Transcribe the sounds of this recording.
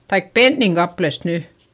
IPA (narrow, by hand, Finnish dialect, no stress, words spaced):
tɑik penːiŋ kɑplest ny